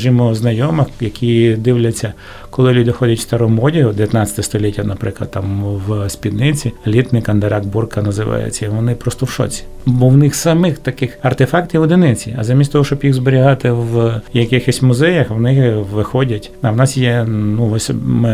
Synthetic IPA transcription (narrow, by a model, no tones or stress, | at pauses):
ɐʒʲimɔznɐjɔmɐxjɐkʲʰid̪ɪwlʲɐt͡sʲːɐ | kɔlˠɪlʲud̪ɪxɔdʲɐtʲst̪ɐɾɔmɔdʲiɦʊd̪ejɐt̪nɑt͡sʲɐt̪ɛst̪ɔlʲitʲːɐnɐpɾɪklˠɐ̰d̪̚t̪ɑmwspʲid̪nɪt͡sʲilʲit̪nɪkɐnd̪eɾɑɡ̚burkɐnɐzɪʋɑ̰jɛ̰t͡sʲːɐʋɔnɪpɾɔst̪ɔwʃɔ̰t͡sʲi̥ | bɔwnɪxsɐmɪxt̪ɐkɪxɐrt̪ɪfɑkt̪ʲiʋɔd̪ɪnɪt͡sʲḭɐ̰zɐmʲist̪ʲt̪ɔɦɔʃt͡ʃɔbjixzbeɾʲiɦɑt̪ɪʋjɐkɪxɔsʲmʊzɛjɐxʋnɪxʋɪxɔdʲɐt̪ʲɐwnɑsjɛnuɔsʲmɪ